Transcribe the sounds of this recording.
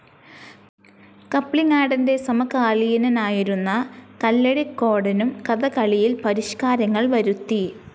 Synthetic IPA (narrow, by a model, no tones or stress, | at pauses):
kɐpːɭiŋːaːɽɐnde̞sɐmɐkaːɭijinɐnaːjiɾunːɐkɐlːeɽikːo̞ːɽɐnumkɐðɐkɐɭijilpɐɾiʂkaːɾɐŋːɐɭʋɐɾut̪ːi